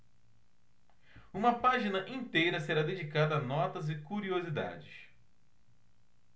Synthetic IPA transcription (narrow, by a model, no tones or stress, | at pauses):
ũmɐpaʒinɐʔĩnt̪ejɾɐseɾad̪ed͡ʒikad̪ɐːnɔt̪ɐzɪkuɾiozid̪a̰d͡ʒɪs